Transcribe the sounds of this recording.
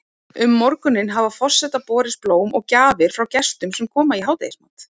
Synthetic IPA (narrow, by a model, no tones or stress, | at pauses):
ʏmːɔɾkʏnːɪnɦavafɔr̥sːɛt̪apɔːɾɪsploːwmɔɣcaːvɪɾ̥fɾawcɛst̪ʏmsɛmkʰɔːmaiɦaːwt̪ḛjɪsmant̪